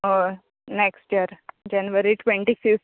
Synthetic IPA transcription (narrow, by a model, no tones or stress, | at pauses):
o | neksʈijəɾd͡ʒanʋəɾiʈʋẽɳʈifif